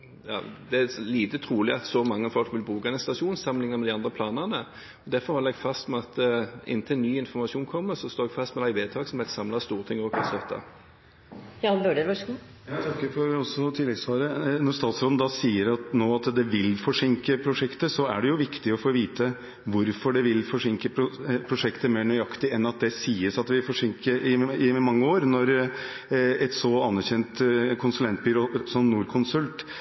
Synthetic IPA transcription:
jɑ̰ːd̪ɛæliːt̪ət̪ʰɾuːlɪɑt̪sɔmɑŋːəfɔlkʋɪlbuːkɑɛnst̪ɑʂuːnsɑmːəlɪŋnɑmɛd̪ɪɑnd̪ɾəpʰlɑːnənə | ɔd̪æɾfɔɾhɔləɛɡfɑst̪mɛɑt̪ʔɪ̰nt̪ʰəɛnːyːɪnfɔɾmɑʂuːnkʰɔmːəɾsɔst̪oːɛɡfɑst̪mɛd̪æɪʋeːt̪ʰɑksɔmheːt̪sɑmlɑst̪uːʁət̪ʰɪŋːɔkʰɑsœt̪ʰːɑ̰ | jɑːnbøːɖəɾʋɑʂɡu | jɑt̪ʰɑkːəfɔɾɔsɔt̪ʰɪlːɛɡsʋɑːɾənɔɾst̪ɑːt̪sɾoːd̪n̩d̪ɑsiːəɾɑt̪noːɑt̪d̪ɛʋɪlfɔʂɪŋkəpʰɾʊʂɛkt̪əsɔæ̰ɖɛjʊʋɪkt̪ɪɔfoːʋiːt̪ə | ʋʊɾfɔɖɛʋɪlfɔʂɪŋkəpʰɾʊpʰɾʊʂɛkt̪əmeːɾɳœʏɑkt̪ɪɛnɑt̪̚d̪ɛsiːəsɑt̪ʋɪɪlfɔʂɪŋkəɾɪɪmɑŋːəoːɾnɔɾ | ɛt̪sɔɑnːæɾçɛnt̪kʰʊnsʉlɛnt̪̚byːɾoːsɔmnuːɾkʰʊnsʉlt̪

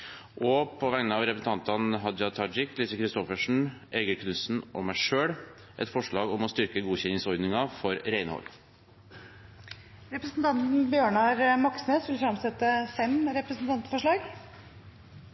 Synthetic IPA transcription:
ʔɔpʰɔʋæŋnəɑʋɾɛpəsn̩t̪ɑnt̪ɑnɦɑd̪jɑt̪ʰɑd͡ʒɪklɪsəkʰɾɪst̪ɔfəʂɳ̩ʔeɡəɾkʰnʉsn̩ʔɔmæɪʂøːɽ | ʔɛ̰t̪fɔʂɭɑːɡɔmɔst̪ʏɾkəɡuːçɛnːɪŋsɔɾd̪nɪŋɑfɔɾɾæɪnəhɔ̰l | ɾɛpɾəsnt̪ʰɑnt̪n̩bjøːɳɑɾmɑksmesʋɪlfɾɑmsɛt̪ːəfɛmɾɛpɾəsn̩t̪ɑnt̪fɔʂɭɑːɡ

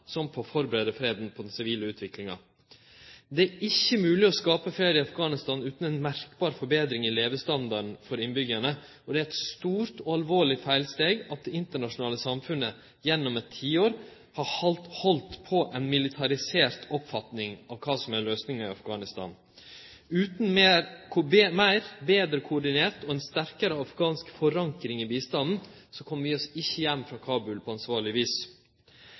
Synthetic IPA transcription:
sɔmpʰɔfɔɾbəɾeːd̪əfɾeːd̪npʰɔd̪ɛnsɪʋiːləʉːt̪ʰʋɪklɪŋɑ̰ | d̪ɛæɾɪçːəmʉːlɪɔskɑːpəfɾeːd̪ɪɑfɡɑːnɪst̪ɑːnʉːt̪n̩ɛnmæɾkbɑːɾfɔɾbeːd̪ɾɪŋɪleːʋəst̪ɑnd̪ɑɳ̩fɔɾɪnbʏɡæɳə | ɔd̪ɛæɾɛt̪st̪uːɾt̪ɔɑlʋoːɭɪfæɪlst̪eːɡɑt̪̚d̪ɛɪnt̪əɳɑʂʊnɑːləsɑmfʉnə | jɛnːɔmɛt̪ʰːiːoːɾ | hɑhɑlt̪hɔlt̪pʰɔʔɛnmɪlɪt̪ʰɑɾɪseːɾt̪ɔpfɑt̪nɪŋɑʋkʰɑːsɔmæløːsnɪŋɑɪɑfɡɑːnɪst̪ɑ̰ːn | ʉːt̪n̩mekʰːmæɪɾbeːd̪ɾəkʰʊɔɖɪneːɾt̪ɔɛnst̪æɾkəɾəɑfɡɑːnskfɔɾɑŋkɾɪŋiːbiːst̪ɑnn̩sɔkʰɔmːʋɪɔsɪçːəjæmːfɾɑkʰɑːbʉlpʰɔɑnsʋɑːɾɭɪʋiːs

